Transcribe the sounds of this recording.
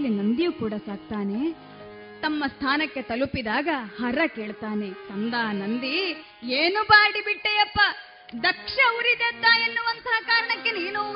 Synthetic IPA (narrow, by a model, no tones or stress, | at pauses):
lːinɐnd̪ijukuːɽɐsaːɡ̚t̪aːne | t̪ɐmːɐst̪ʰaːnɐkːe̞t̪ɐlupid̪aːɡɐhɐɾɐkeːɭt̪aːne̞sɐnd̪aːɐnɐnd̪i | eːnubaːɽibiʈːejɐpːɐ | d̪ɐkʂɐuɾid̪et̪ːaːjenːuʋɐnt̪ɐɐkaːɾɐɳɐkːeniːnu